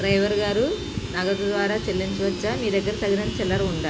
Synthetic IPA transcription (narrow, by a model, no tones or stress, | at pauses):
ɖɾɐjʋɐɾɡaːɾu | nɐɡɐt̪ud̪ʋaːɾaːt͡ʃelːiɲt͡ʃuʋɐt͡ʃːaːmiːd̪ɐɡːɐɾisɐɡnɐnit͡ʃɛlːɐɾuuɳɖaː